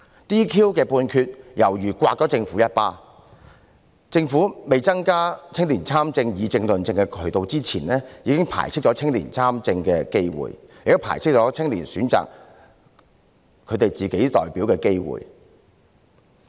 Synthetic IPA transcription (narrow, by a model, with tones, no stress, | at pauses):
t̪iː˥kʰiː˥wkɛː˧puː˧nkʰyː˧t̚jɐ˨˩wjyː˨˩kʷwaː˧k̚t͡ʃɔ˨˥t͡sɪ˧ŋfu˨˥jɐ˥t̚paː˥ | t͡sɪ˧ŋfu˨˥me˨jt͡sɐ˥ŋkaː˥t͡sʰɪ˥ŋliː˨˩nt͡sʰaː˥mt͡sɪ˧ŋjiː˨˧t͡sɪ˧ŋlɵ˨nt͡sɪ˧ŋkɛ˧kʰɵ˨˩ɥt̪o˨wt͡siː˥t͡sʰiː˨˩nlɛː˥jiː˨˧kɪ˥ŋpʰa̰ː˨˩jt͡sʰɪ˥k̚t͡ʃɔ˨˧˥t͡sʰɪ˥ŋliː˨˩nt͡sʰaː˥mt͡sɪ˧ŋkɛ˧ke˥jwṵ˨˩jjk̪̚o˥pʰaː˨˩jt͡sʰɪ˥k̚t͡ʃɔː˨˥t͡sʰɪ˥ŋlḭː˨˩nsyː˨˥nt͡sa̰ː˨k̚ | kʰɵ˨˧t̪e˨jt͡siː˨ke˨˥jt̪ɔ̰ː˨jpiː˨˥wkɛː˧ke˥jwṵ˨˩j